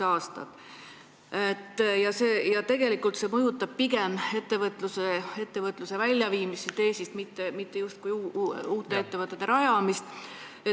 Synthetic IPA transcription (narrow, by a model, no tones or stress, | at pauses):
ɑːst̪ɑ̰t̪ | et̪ːˑjɑse̞ːjɑt̪e̞ɡ̥e̞likːˑult̪se̞mɤjut̪ːˑɑb̥̚piɡe̞me̞t̪ːe̞vɤt̪ˑlusee̞t̪ːe̞vɤt̪ːˑluse̞vælʲjɑviːmisit̪e̞ːst̪ist̪mit̪ːemit̪ːejust̪̚kujuːt̪ːˑe̞et̪ːe̞vɤt̪ːˑe̞t̪ːeɾɑjɑmist̪ | e